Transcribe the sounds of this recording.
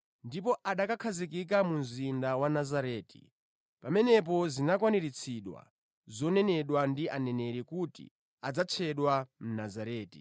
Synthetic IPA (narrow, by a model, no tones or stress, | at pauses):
ndipɔʔaɗakakʰazikik̬amunzindawanazaɾɛːti̥̰ | pamɛnɛp̬ɔzinakwaniɾit͡sʰiɗwa̰ | zɔnɛnɛɗwandianɛnɛɾikutḭ | ad͡zat͡ʃʰɛɗwam̩nazaɾɛːtḭ